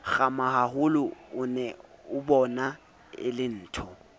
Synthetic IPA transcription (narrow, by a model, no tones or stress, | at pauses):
ɣamahaɦʊlʊʊnɛʊbɔna | ɪ̰lɪn̩ːtʰɔ